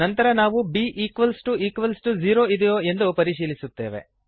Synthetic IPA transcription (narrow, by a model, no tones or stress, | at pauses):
ɐnt̪ɐɾɐnaːʋubiːʔiːkʋɐlsʈuiːkʋɐlsʈud͡ʒiːɾo̞ːid̪ɛjoːe̞nd̪upɐɾiʃiːlisut̪ːe̞ːʋḛ